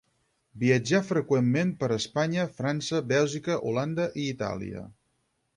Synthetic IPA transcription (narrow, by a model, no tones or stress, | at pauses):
biəd͡ʒafɾəkwemːempəɾəspaɲəfɾansəbɛlˠʒikəʔuland̪əʔiːt̪a̰lḭə̰